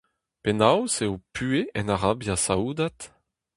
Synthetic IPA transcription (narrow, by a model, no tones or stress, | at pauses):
pɛnawseopʰyeɛnaʁabjasauːd̪at̪